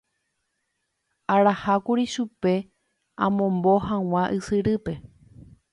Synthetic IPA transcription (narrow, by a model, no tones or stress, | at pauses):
aɾahakuɾiʃupe̞ | ãmõ̞mbo̞ɦãw̃ãʔɨsɨɾɨpe̞